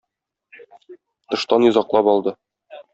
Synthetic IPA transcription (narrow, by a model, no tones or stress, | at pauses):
t̪ɤ̆ʃt̪ɑnjŏzɑqlˠɑpɒlˠd̪ɤ